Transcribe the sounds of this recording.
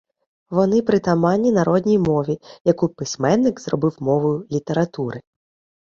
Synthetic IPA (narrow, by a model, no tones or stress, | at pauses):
ʋɔnɪpɾɪt̪ɐmɑnʲːinɐɾʔɔd̪ʲnʲijmɔʋʲijɐkupɪsʲmɛnːɪkzrɔbɪwmɔʋʊjʊlʲit̪eɾɐt̪uɾɪ